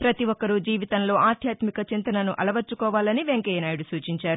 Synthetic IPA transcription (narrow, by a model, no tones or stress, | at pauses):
pɾɐt̪iʋɔkːɐɾud͡ʒiːʋit̪ɐnlo̞ːaːd̪ʱjaːt̪mikɐt͡ʃint̪ɐnɐnuʔɐlɐʋɐɾt͡ʃːukɔːʋaːlɐniʋe̞ŋkeːjnaːjiɽusuːt͡ʃiɲt͡ʃaːɾu